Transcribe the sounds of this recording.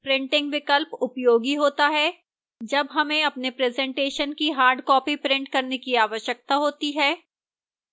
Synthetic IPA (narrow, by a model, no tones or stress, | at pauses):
pɾɪ̃ɳʈɪ̃ŋɡʋɪkəlpʊpjoːɡiɦoːt̪aɦɛː | d͡ʒɐbɦɐmẽɐpnepɾɛːzɛ̃ɳʈeːʃənkiɦaːɾɖkɔːpipɾɪ̃ɳʈ̚kɐɾnekiaːʋəʃjək̚t̪aɦoːt̪iɦɛː